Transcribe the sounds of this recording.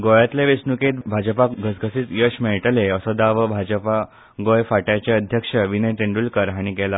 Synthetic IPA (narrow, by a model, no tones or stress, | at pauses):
ɡojat̪leʋesnuket̪̚bʱad͡ʑəpaɡʱəsɡʱəsit͡s̪jəʂmɛɦʈəleəsɔd̪aʋəbʱad͡ʑəpa | ɡojfaʈjat͡ɕeəd̪ʱjəkʂəʋinəjʈ̪eɳɖuːlkəɾɦaɽ̃ikɛla